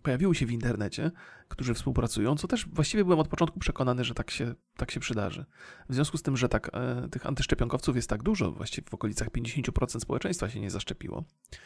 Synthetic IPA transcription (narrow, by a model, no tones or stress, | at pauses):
pɔjavʲiwɔɕɛvint̪ɛɾnɛt͡ɕɛkt̪uʐɘfspuwpɾat̪sujɔ̃w̃t̪sɔt̪ɛʂvwaɕt͡ɕivʲjɛbɘwɛmɔt̪̚pɔtɔnt̪kupʂɛkɔnanɘʐɛt̪akɕɛt̪akɕɛpʂɨd̪a̰ʐɘ̰vzʲjɔ̃skust̪ɘmʐɛt̪akt̪ɘxa̰nt̪ɘʂt͡ʂɛpʲjɔŋkɔft̪sufjɛst̪ːaɡd̪uʐɔ̰vwa̰ɕt͡ɕivʲɛvɔkɔlʲit̪saxpʲjẽɲd͡ʑeɕeɲt͡ɕupɾɔt̪sɛnt̪spɔwɛt͡ʂɛ̃j̃st̪faɕɛɲɛzaʂt͡ʂɛpʲḭwɔ̰